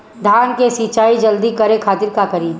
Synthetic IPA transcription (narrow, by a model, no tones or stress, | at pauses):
d̪ʱaːnkesiːt͡ʃaːid͡ʒɐld̪ikɐɾekʰaːt̪ɪɾkakɐɾiː